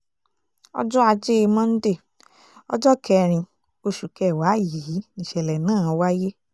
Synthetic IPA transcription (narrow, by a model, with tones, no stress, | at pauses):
ɔ̰˦d͡ʒɔ˦a˧d͡ʒe˦e˧mã˦n̩˦de˦˨ | ɔ̰˦d͡ʒɔ˦kʰɛ˧ɾ̃ĩ˧ | o˧ʃu˨kɛ˨˦˨wa˨˦˨ji˨˦ĩ˨ʃɛ˨lɛ˨nãː˦˨˧wa˦je˦